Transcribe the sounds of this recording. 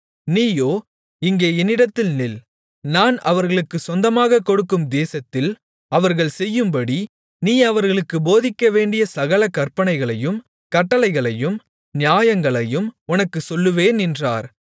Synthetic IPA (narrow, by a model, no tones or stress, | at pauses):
niːjoː | ɪŋɡeːɛnːɪɽɐt̪ːɪlnɪl | naːnɐʋɐɾɣɐɭɯkːɯsɔnd̪ɐmaːɣɐkːɔɽɯkːɯmd̪eːsɐt̪ːɪl | ɐʋɐɾɣɐɭsɛjːɯmbɐɽi | niːɐʋɐɾɣɐɭɯkːɯboːðɪkːɐʋeːɳɖɪjɐsɐɣɐɭɐkːɐɾpɐnɐɪɣɐɭɐjɯm | kɐʈːɐlɐɪɣɐɭɐjɯm | nɪjaːjɐŋɡɐɭɐjɯmʊnɐkːɯsɔlːɯʋeːnɪndra̰ːɾ